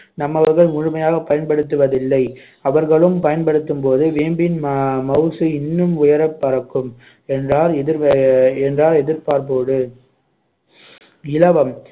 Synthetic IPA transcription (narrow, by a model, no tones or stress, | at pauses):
nɐmːɐʋɐɾɣɐɭmʊɻʊmɐjaːɣɐpːɐjɐnpɐɽɯt̪ːɯʋɐðɪlːɐɪ | ɐʋɐɾɣɐɭɯmpɐjɐnpɐɽɯt̪ːɯmpoːðɯʋeːmbɪnmɐʊsɯɪnːɯmʊjɐɾɐpːɐɾɐkːɯm | ɛndraːɾɛðɪɾɛndraːɾɛðɪɾpaːɾp̬oːɽɯ | ɪlɐʋɐm